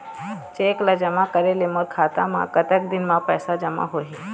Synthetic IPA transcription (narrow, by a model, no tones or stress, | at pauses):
t͡ʃeːklad͡ʒɐmakɐɾelemoɾkʰaːt̪a̰mã̰kɐt̪ək̚d̪ɪnmãpɛːsad͡ʒɐma̰ɦoɦi